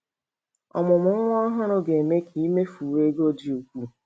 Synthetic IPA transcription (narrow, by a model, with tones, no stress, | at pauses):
ɔ̰˨mʊ˨mʊ˨˦ŋ̩˦ŋʷ˦ɔ˦ɦʊ˦nʊ˦ɡe˨me˦kʰi˨i˦me˦fu˨we˦ɡo˦di˨o˨kʷu˦˨